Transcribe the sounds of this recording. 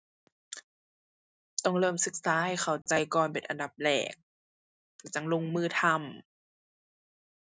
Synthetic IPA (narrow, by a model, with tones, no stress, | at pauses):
t̪ɔ˧˩ŋlɤː˧˩˨msɯ˧˩k̚saː˧˥˨jxʰa˨˩wt͡ɕa˧jkɔː˨˩npe˨˩nʔa̰˧nda˧˩p̚lɛ̰ː˧˨˩k̚ | lɛ˧˩t͡ɕa˧˦ŋlo˧˨ŋmɯː˧˩t̪ʰa˧m